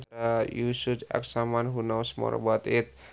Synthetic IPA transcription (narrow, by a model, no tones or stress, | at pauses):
ajusudɛ̰ksamanɦunawsmɔ̰ɾ̰bat̪ɪt̪̚